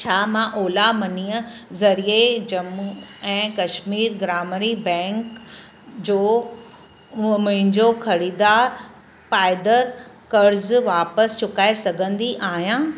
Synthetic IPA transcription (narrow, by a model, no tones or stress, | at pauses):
t͡ɕʰaːmãʔoːlamɐniːə̃zɐɾied͡ʑɐmuɛ̃ːkɐʃmiːɾɡɾaːmɾibɛ̃ːŋk | d͡ʑoː | mʊ̃ɦɪ̃ɲd͡ʑoxɐɾiːd̪aːɾ | paːɪd̪əɾ | kɐɾzʋaːpəst͡ɕʊkaːesɐɡʱə̃nd̪iʔaːɦijãː